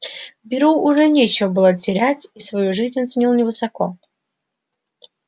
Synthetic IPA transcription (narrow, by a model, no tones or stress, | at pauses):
bʲɪɾuʊʐɛnʲet͡ɕɪvəbɨlˠətʲɪɾʲæt͡sʲisvɐjuʐɨzʲnʲont̪sʲnʲilˠnʲɪvɨsɐko